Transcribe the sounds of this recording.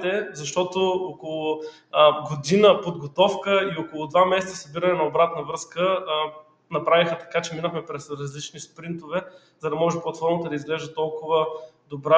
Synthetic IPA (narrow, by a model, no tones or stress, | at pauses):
t̪ɛzɐʃt̪ɔt̪ookolˠʊ | ɡod̪inəpod̪ɡot̪ɔfkəiokolˠʊd̪vamɛsɛt̪ssɐbiɾənɛnɐobɾat̪nəvɾɤskə | nɐpɾavixət̪ɐ̥kat͡ʃɛminəxmɛpɾɛsɾɐzlit͡ʃnispɾint̪ovɛ | zɐd̪ɐmɔʒɛpot̪fɔɾnmət̪əd̪ɐizɡlɛʒɛt̪ɔlˠkʊvəd̪obɾa